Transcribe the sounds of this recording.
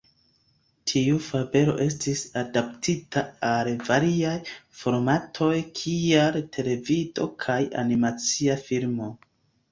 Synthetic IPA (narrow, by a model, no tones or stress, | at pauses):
tʰiufabe̞ɾo̞̰ʔe̞s̬tisadaptʰitʰaalvaɾiajfo̞ɾmatʰo̞jkʰialtʰe̞le̞vido̞̰kʰaja̰nimat͡siafiɾmo̞